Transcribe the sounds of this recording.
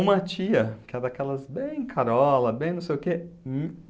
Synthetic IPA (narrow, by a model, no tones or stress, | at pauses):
ũmɐt͡ʃiɐkɪɛd̪akɛlɐzbẽj̃kʰaɾɔlɐbẽj̃ñsejʊkem